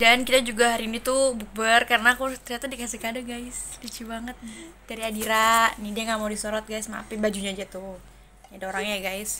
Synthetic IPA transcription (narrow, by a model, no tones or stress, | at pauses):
dankit̪ad͡ʒuɡaɦaɾinit̪ubuk̚bərkarənakut̪əɾiat̪udikasikadaɡajslit͡ʃibaŋət̪̚d͡ʒaɾiadiɾanidiaŋɡamaudisoɾɔt̪̚ɡajsma̰pibad͡ʒuɲad͡ʒat̪u | adaoɾaŋɲaɡajs